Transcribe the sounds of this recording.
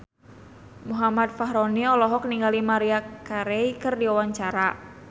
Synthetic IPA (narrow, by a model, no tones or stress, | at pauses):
muɦamat̪̚faɦɾoniɔlɔɦɔkniŋɡalimaɾiakaɾeikərdiawaɲt͡ʃaɾa